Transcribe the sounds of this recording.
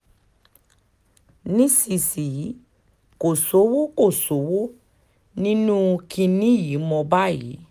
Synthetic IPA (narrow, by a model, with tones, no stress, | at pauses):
nĩ˦si˨si˨˦ | ko˨so˨˦wo˦ko˦˨so˨˦wo˦ | nĩ˦nũ˦ki˧nĩ˦ji˨˦mɔ̃˧ba˦jḭ˨˦